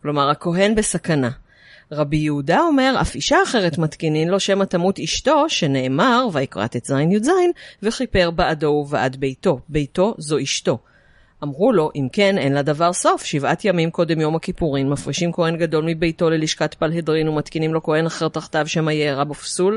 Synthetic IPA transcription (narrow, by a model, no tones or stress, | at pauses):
klo̞maʁako̞ɦe̞nbesakana | ʁabijeudao̞me̞ʁa̰fiʃaːχe̞ʁe̞tmatkinimlo̞ʃe̞matamutiʃto̞ʃe̞ne̞ʔːmaʁvaikʁa̰t̪et̪zajnjuzajnveχipe̞ʁbaʔado̞uveʔa̰dbe̞jto̞be̞jto̞zo̞ʔiʃto̞ | ʔamʁulo̞ʔimke̞ne̞nladavaʁso̞fʃivatjamimko̞de̞mjo̞makipuʁinmafʁiʃimko̞he̞nɡado̞lmibejto̞leliʃkatpalhedʁinumatkinimlo̞ko̞he̞naχeʁt̪aχt̪avʃemajeːʁabofsul